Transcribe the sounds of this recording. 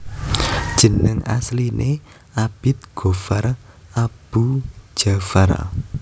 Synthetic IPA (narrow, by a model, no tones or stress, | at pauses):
d̥ʒ̥ə̤nəŋa̰slinʔe | ab̥ɪt̪̚ɡ̥o̤far | ab̥u̥ʒ̥a̤far̰